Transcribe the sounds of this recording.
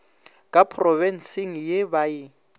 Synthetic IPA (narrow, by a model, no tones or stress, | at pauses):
kʼapʰrɔvɛn̩siŋ̩jebaɪ